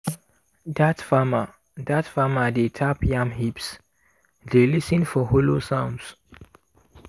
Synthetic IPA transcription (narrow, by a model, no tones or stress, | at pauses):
datfama | datfamadetʰapjãmɦips | delisə̃nfɔholosãʊ̃nds